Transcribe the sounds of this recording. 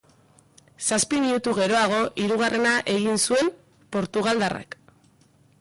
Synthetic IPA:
saspimiut̪uɣe̞ɾo̞aɣ̞o̞ʔiɾuɣ̞are̞naʔe̞ɣinsue̞m | po̞ɾt̪uɣ̞ald̪ara̰k

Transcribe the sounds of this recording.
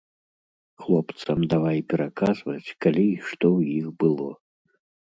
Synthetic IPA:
xlˠɔpt̪sɐmd̪avajpʲɛɾakazvɐt͡sʲkalʲiʂt̪ɔwjixbɨlˠɔ

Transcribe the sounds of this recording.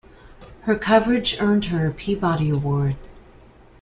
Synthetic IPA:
hə˞kʰʌvə˞ɨd͡ʒɜ̃˞nd̚hə˞ɨpʰibɑɾiəwɔɹd̥

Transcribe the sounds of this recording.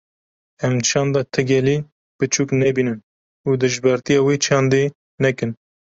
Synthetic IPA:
ɛmt͡ʃʰɑːnd̪ɑt̪ʰɨɡʲɛliː | b̥ɨt͡ʃʰuːknɛbiːnɨn | uːd̪ɨʒbɛɾt̪ijɑːweːt͡ʃʰɑːnd̪e | nɛkɨn

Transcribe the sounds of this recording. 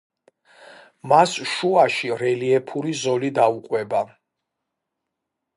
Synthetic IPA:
masʃuaʃiɾɛliɛpʰuɾizɔlid̪auqʼwɛba

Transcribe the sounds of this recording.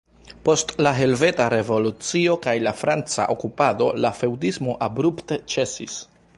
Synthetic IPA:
po̞stlaɦe̞lve̞taɾe̞vo̞lut͡sio̞kajlafɾant͡sa̰ʔokupado̞lafe̞wdismo̞ʔabɾuptet͡ʃe̞sḭs

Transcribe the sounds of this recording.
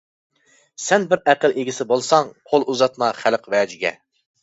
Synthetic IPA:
sɛnbɪɾæqəlˠeɡʲisɪbolˠsɑŋqʰolˠuzɑt̪mɑχælqvɛːd͡ʒɪɡʲɛ̰

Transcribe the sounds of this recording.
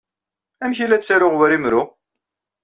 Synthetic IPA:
ænçilæt͡sːaɾʊʁwɾimɾʊʁ

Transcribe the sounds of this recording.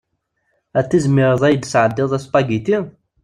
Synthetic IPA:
æt͡sːizmɪɾˤəðˤæjəd̪sʕəd̪ːɪðˤæspɑɡit̪i

